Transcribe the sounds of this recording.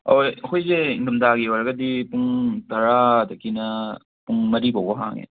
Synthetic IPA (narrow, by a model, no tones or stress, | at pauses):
oɐkʰojzeinumdaɡioɾɐɡɐdipuŋtɐɾadɐkinɐ | puŋmɐɾibawbɐɦa̰ŋḛ